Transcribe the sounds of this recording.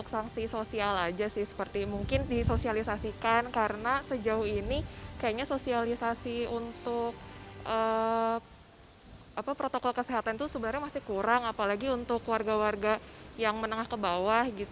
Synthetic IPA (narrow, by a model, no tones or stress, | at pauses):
ʊksaŋsisosialad͡ʒasɪhsə̥pərt̪imuŋkɪndisosialisasikankaɾənasəd͡ʒaʊhinikajaʔɲasosialisasiunt̪ʊk̚ʔə | apapɾot̪okɔlkəseɦat̪ant̪usəbənərɲamasɪhkuɾaŋapalaɡiunt̪ʊkwarɡawarɡajaŋmənəŋahkəbawahɡit̪